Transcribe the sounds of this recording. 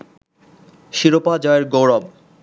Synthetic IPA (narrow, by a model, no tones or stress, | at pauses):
ʃiɾopad͡ʑɔeɾɡowɾɔb